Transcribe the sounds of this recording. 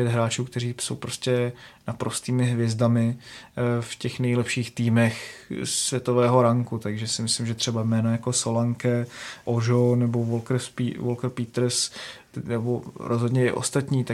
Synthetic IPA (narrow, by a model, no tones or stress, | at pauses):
pjɛt̪ɦɾaːt͡ʃuːkt̪ɛriːso̞̰wpɾo̞scʲɛnapɾo̞st̪iːmɪɦvjɛzdamɪ | fcɛxnɛjlɛpʃiːxt̪iːmɛxsvʲjɛt̪o̞vɛːɦo̞ɾaŋkut̪aɡʒɛsɪmɪslɪmʒɛt̪r̝ɛbajmɛːnojako̞so̞laŋkɛʔoʒonɛbo̞volkɾ̩spḭvolkr̩pit̪ɾ̩s | nɛboɾʔozɦodɲɛɪ̰ʔo̰st̪at̪ɲiːt̪a